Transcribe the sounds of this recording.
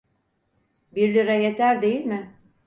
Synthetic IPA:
biɾlʲiɾɛjet̪ʰæɾd̪e̞jilʲmɪ

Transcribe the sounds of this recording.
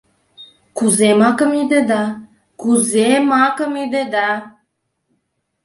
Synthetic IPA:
kuzemɑkəmid̪ed̪ɑ | kuzemɑkəmid̪ed̪ɑ

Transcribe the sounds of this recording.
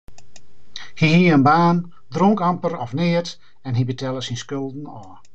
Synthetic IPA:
hihiəənbaːn | droŋkampəɾɔfnɪːət | ɛnɦibətɛləsinskølˠdn̩ɔː

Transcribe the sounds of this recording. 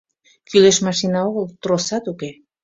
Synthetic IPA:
kyleʃmɑʃinɑoɣəlt̪ɾosɑt̪uke

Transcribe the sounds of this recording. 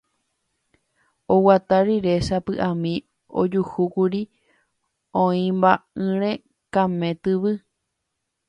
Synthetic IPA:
owat̪aɾiɾe̞ʃapɨʔãmĩ | o̰d͡ʒuhukuɾi | õĩmbaɨ̃ɾ̃ẽ | kãmẽ̞t̪ɨʋɨ

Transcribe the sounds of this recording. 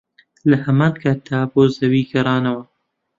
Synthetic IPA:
lɐhɐmɑːnkʰaːt̪̚d̪aːboːzɐwiːɡɐɾˤɑːnɐwɐ

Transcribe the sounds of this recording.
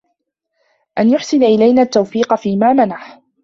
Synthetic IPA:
ʔanjʊħsɪnaʔɪlajnaːt̪ːawfiːqɑfiːmaːmanaħ

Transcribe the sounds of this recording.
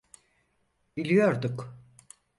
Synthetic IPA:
bilʲijoɾd̪uk

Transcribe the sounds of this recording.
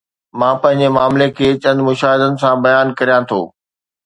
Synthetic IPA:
mãːpɐ̃ɦɪ̃ɲd͡ʑemaːmlekʰeːt͡ɕɐ̃nd̪mʊʃaːɦɪd̪ənɪ̆sãbɐjaːnkɐɾijãt̪ʰo̰ː

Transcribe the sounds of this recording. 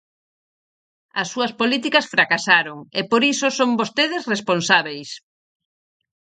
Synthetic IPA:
ɐsːuɐspolit̪ikɐsfɾakasaɾoŋepoɾisosombost̪eðesresponsaβejs

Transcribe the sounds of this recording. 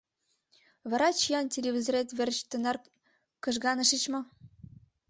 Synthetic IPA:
βɑɾɑt͡ɕijɑntʲelʲeβʲizoɾet̪βerʲt͡ɕt̪ə̆nɑr | kɤ̆ʒɡɑnəʃət͡ɕmɤ̆

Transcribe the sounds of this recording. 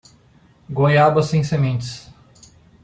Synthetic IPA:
ɡõjabɐsẽj̃semẽnt͡ʃɪ̥s

